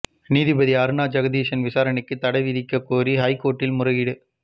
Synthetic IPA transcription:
niːðɪbɐðiɐɾɯnaːd͡ʒɐɣɐðiːʂɐnʋɪsaːɾɐɳɪkːɯt̪ːɐɽɐɪʋɪðɪkːɐkːoːriɦɐɪkːoːʈːɪlmʊrɐɣɪɽɯ

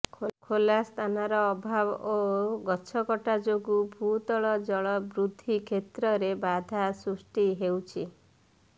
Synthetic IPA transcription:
kʰolast̪ʰanaɾɔːbʱaboɡɔt͡ʃʰɔkɔʈad͡ʒoɡubʱut̪ɔɭɔd͡ʒɔɭɔbɾud̪ʱːikʰet̪ɾɔɾebad̪ʱasɾusʈiɦewt͡ʃʰi

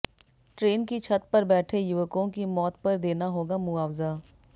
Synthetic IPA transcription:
ʈɾeːnkit͡ʃʰɐt̪̚pɐɾbɛːʈʰejʊʋəkõkimɔːt̪pɐɾd̪eːnaɦoːɡamʊaːʋza

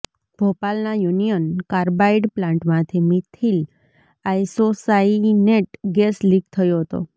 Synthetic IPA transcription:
bʱopalnajunijənkaɾbaiɖplãɳʈmãt̪ʰimit̪ʰil | ajsosaineʈɡesliɡ̚t̪ʰəjoɦət̪o̰

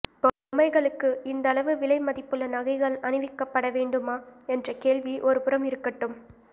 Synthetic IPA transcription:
pːoːʊmɐɪɣɐɭɯkːɯɪnd̪ɐlɐʋɯʋɪɭɐɪmɐðɪpːɯɭːɐnɐɣɐɪɣɐɭɐnɪʋɪkːɐpːɐɽɐʋeːɳɖɯmaːɛndrɐkeːɭʋiʔɔɾɯpɯɾɐmɪɾɯkːɐʈːɯm

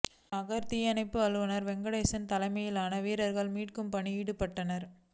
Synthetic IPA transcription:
ɐɣɐɾt̪ɪjɐnɐɪpːɯɐɻɯʋɐnɐɾʋɛŋɡɐɽɐɪsɐnt̪ɐlɐɪmɐjɪlaːnɐʋiːɾɐɾɣɐɭmiːʈkɯmpɐɳiiːɽɯpːɐʈːɐnɐɾ

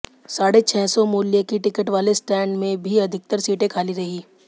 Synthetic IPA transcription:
saːɽet͡ʃʰɛːsɔmuːljekiʈɪkəʈʋaːlesʈɛːɳɖmẽbʱiɐd̪ʱɪk̚t̪əɾsiːʈẽkʰaːliɾɐɦiː

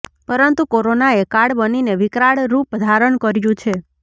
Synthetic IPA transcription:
pəɾənt̪ukoɾonaekaɽbənineʋikɾaɽɾupd̪ʱaɾəɳkəɾjũt͡ʃʰe

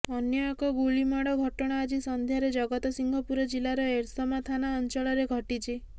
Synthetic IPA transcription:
ɔnjɔekɔɡuɭimaɽɔɡʱɔʈɔɽ̃aad͡ʒisɔnd̪ʱjaɾed͡ʒɔɡɔt̪ɔsiŋɡʱɔpuɾɔd͡ʒilaɾɔeɾsɔmat̪ʰanaɔnt͡ʃɔɭɔɾeɡʱɔʈit͡ʃʰi

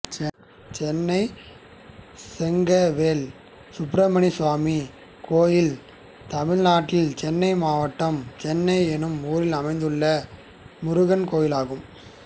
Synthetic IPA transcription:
t͡ʃɛnːɐɪ | sɛŋɡɐʋeːl | sʊpɾɐmɐɳisʋaːmi | kʰoːjɪl | t̪ɐmɪɻnaːʈːɪlt͡ʃɛnːɐɪmaːʋɐʈːɐmt͡ʃɛnːɐɪɛnɯmuːɾɪlɐmɐɪnd̪ɯɭːɐ | mʊɾʊɣɐnkoːjɪlaːɣɯm

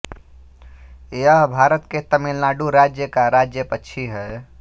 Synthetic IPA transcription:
eəɦbʱaɾət̪ket̪əmilnaɖuɾad͡ʒjəkaɾad͡ʒjəpətːʃʰiɦə

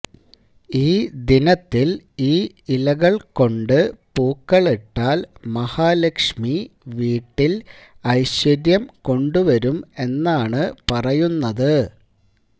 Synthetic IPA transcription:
iːd̪inɐt̪ːiliː | ilɐɣɐɭko̞ɳɖɨpuːkːɐɭeʈːaːlmɐhaːlekʂmiʋiːʈːilɐjɕʋɐɾjɐmko̞ɳɖuʋɐɾume̞nːaːɳɨpɐrɐjunːɐðɨ

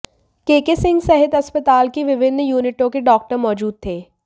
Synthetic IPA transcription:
keːkesɪ̃ŋɡsɛɦɪt̪ɐspət̪aːlkeʋɪʋɪnːjuːnɪʈõkeɖɔːk̚ʈəɾmɔːd͡ʒuːd̪̚t̪ʰeː

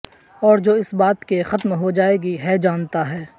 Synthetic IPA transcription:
ɔːɾd͡ʒoːɪsbaːt̪kexɐt̪mɦod͡ʒaːeːɡiɦɛd͡ʒaːnt̪aɦɛː

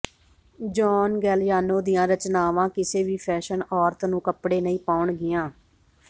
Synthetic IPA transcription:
d͡ʒɔːnɡɛːljaːnoːd̪ɪjãːɾət͡ʃnaːʋãːkɪseːʋiːpʰɛːʃənɔːɾt̪nũːkəpɽeːnəĩːpaːɳɡɪjãː

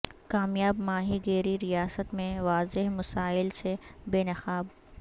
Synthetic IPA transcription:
kaːmjaːbmaːɦiɡeːɾiɾijaːsət̪mẽʋaːzɪɦmɐsaːɪlsebeːnɐxaːb̚

